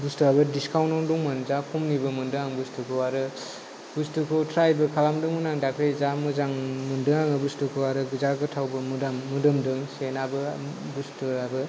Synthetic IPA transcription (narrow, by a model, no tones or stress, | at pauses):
bustuabɯdiskawnɔŋduŋmɯnzakʰumnibɯmɯndɯŋaŋbustʰukʰɯwaɾɯ | bustukʰɯtʰɾajbɯkʰalamdɯŋmɯnaŋdakɾezamɯzaŋmɯndɯŋaŋɯbustukʰɯwaɾɯɡɯzaɡɯtʰawbɯmudamːudɯmdɯŋsenabɯbustuabɯ